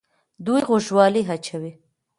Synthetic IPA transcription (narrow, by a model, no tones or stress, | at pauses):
d̪ujɣʊʒwɑliɦat͡ʃawi